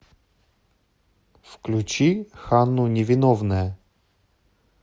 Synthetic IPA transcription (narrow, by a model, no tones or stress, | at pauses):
fklʲut͡ɕixanːʊnʲɪvʲɪnɔvnəjə